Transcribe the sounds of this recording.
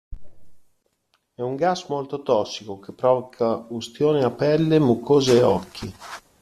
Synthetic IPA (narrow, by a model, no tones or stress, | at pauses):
ɛuŋɡasmolt̪ot̪ɔsːikokepːɾɔvɔkʰaust̪joːneapːɛlːemukʰːoːzeːɔkːi